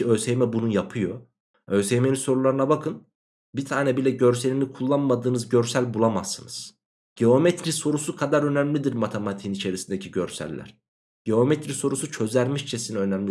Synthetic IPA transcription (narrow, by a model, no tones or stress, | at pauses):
ø̞jsejmɛbunujapʰɯjo̞ | ø̞jsejme̞ninso̞ɾulˠaɾɯnabakʰɯn | bit̪ʰaːnɛbilʲɛɟøɾse̞lʲimikʰulˠːanmad̪ɯːnɯzɟø̞ɾsælʲbulˠamasːɯnɯz̥ | ɟeo̞met̪ʰɾiso̞ɾusukʰad̪aɾø̞næmlʲid̪iɾmat̪ʰemat̪ʰinit͡ʃʰe̞ɾisind̪ecʰiɟøɾsæ̰lʲːæ̰ɾ̥ | ɟ̥eo̞met̪ʰɾiso̞ɾusut͡ʃʰø̞zlʲæɾmiʃt͡ʃʰɛsinɛø̞næmlʲi